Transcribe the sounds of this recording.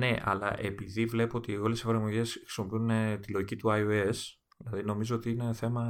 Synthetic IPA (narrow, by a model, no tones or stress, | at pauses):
ne̞ʔɐ̰lɐ̰ʔe̞piðivle̞poot̪io̞lesefɐɾmo̞ʝe̞skɾi̥simo̞piunt̪ilo̞ʝicit̪uɐioes | ðilɐðino̞mizoo̞t̪iine̞θe̞mɐ